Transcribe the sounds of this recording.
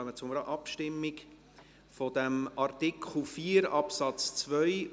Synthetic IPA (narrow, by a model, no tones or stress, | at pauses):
œmət͡sʊməɾəʔɑpʃtɪmːik | fɔd̥̪ɛmɑrtikʰχl̩fiːɾɑpsɑt͡st͡svœʏ